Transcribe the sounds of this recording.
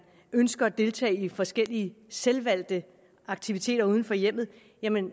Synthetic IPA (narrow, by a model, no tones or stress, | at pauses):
ønsɡ̥ɐæd̥e̝lt͡sʰɛ̰ːɪifɒ̽sɡ̥el̰iəselʋæl̰d̥ə | ɑ̈ɡ̥̚t͡sʰiʋit͡sʰe̝̰ːd̥ɐuːð̞ˠn̩fɒ̽jem̰ð̞̩ˠ | jæmən